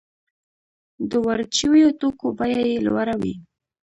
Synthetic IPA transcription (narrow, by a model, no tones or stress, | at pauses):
d̪əwaɾt͡ʃiwjot̪okobajajelwaɾawḭ